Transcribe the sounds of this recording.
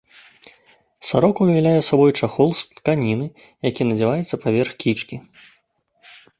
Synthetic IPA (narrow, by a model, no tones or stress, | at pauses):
saɾɔkuvʲvʲɛlʲajɛsabɔjt͡ʂaxɔlˠst̪kanʲinɨ | jakʲinɐd͡zʲɛvajɛt̪sːɐpavʲɛrxkʲit͡ʂkʲi